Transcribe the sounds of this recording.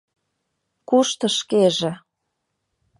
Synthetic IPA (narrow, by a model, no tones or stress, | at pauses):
kuʃt̪ə̆ʃkeʒĕ